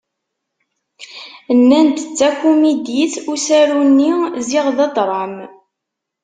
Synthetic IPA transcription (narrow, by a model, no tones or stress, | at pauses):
nːænt̪ət͡sːækumid̪iθusæɾunːiziʁðɑd̪ˤɾˤɑm